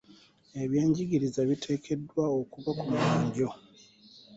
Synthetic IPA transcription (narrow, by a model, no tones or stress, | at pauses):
e̞βjeːɲɟiɡiɾizaβitʰe̞ːkʰe̞dwaokuβakumalaːɲɟo̞